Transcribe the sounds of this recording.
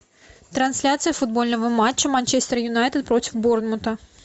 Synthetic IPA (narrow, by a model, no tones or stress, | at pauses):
t̪ɾɐnsʲlʲat̪sɨjəfʊd̪̚bo̞lʲnəvəmat͡ɕːəmanʲt͡ɕest̪əɾəjʊnajt̪ɨt̪̚pɾo̞tʲɪ̥fbornmʊt̪ə